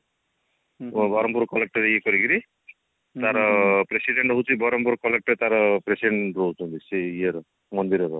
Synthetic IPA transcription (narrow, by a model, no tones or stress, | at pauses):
bʌɾɔmpuɾkɔlek̚ʈʌɾjekʌɾikʰiɾi | t̪aɾʌpɾesiɖeɳʈɦot͡sibʌɾʌmpuɾkɔlek̚ʈt̪aɾʌpɾesiɖeɳɾotɦũnd̪isejeɾ | mʌnd̪iɾʌɾɔ